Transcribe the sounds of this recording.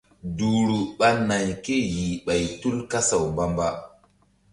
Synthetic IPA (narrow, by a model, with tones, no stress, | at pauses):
du˨ɾu˨ɓa˦na˨jke˦˨ji˨ɓa˨jtu˦lka˦sa˨wmba˦mba˦